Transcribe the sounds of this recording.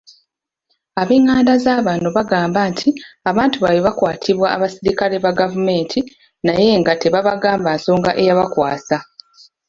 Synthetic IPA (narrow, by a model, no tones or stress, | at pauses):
aβeːŋːaːndazaːβaːnoβaɡaːmbaːntʰiaβaːntuβaweβakwaːtʰiβwa̰ːβasiɾikale̞βaɡavume̞ːntʰi | naje̞ŋɡate̞βaβaɡaːmbaːso̞ːŋɡaʔe̞jaβakwaːsa